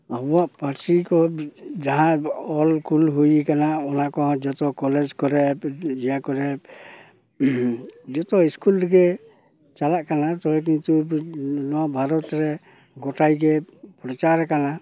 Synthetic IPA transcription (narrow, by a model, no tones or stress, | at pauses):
abɔwaʔpaɾsikɔd͡ʒaɦãɔlkʰulɦujikanaɔnakɔ̃d͡ʒɔt̪ɔkɔled͡ʒkɔɾɛd͡ʒijakɔɾɛ | d͡ʒɔt̪ɔiskulɾɡɛ | t͡ʃalaʔkanat̪ɔɦɛk̬int̪unɔwabʱaɾɔt̪ɾɛ | ɡɔʈajɡɛpɾɔt͡ʃaɾkana